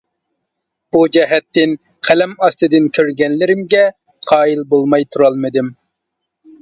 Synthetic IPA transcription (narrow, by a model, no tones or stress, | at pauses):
b̥ud͡ʒɛɦɛt̪ːɪn | qʰælɛmɑst̪ɨd̪ɪnkʲʰøɾɡʲɛnlɪɾɪmɡʲɛ | qʰɑːjilˠbolˠmɑjt̪ʰuɾɑlˠmɨd̪ɪm